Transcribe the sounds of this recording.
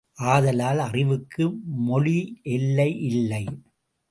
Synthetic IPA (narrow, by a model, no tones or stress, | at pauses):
ʔaːðɐlaːlɐrɪʋɯkʰːɯmɔɭiʔɛlːɐɪʔɪlːɐɪ